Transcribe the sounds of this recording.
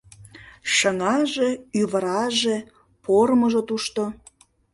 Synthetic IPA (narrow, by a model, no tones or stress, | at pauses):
ʃəŋɑʒeyβəɾɑʒe | poɾməʒot̪uʃt̪o